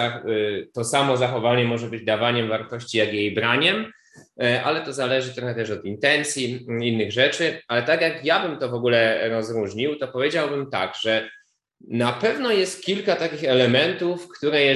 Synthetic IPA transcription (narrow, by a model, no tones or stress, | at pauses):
at̪ɔsamɔzaxɔvaɲɛmɔʐɛbɘd͡ʑd̪avaɲɛmvaɾt̪ɔɕt͡ɕijaɡjejbɾaɲɛm | ʔa̰lɛt̪ɔzalɛʐɘt̪ɾɔxɛt̪ɛʂɔt̪int̪ɛnt̪sʲjiinːɘɣʐɛt͡ʂɘalɛt̪aɡjakjabɘmt̪ɔvɔɡulɛɾɔzɾuʐɲiwt̪ɔpɔvʲjed͡ʑawbɘmt̪a̰ɡʐ̥ɛ | napɛvnɔjɛst̪̚kʲilkat̪akʲixɛlɛmɛnt̪ufkt̪uɾɛ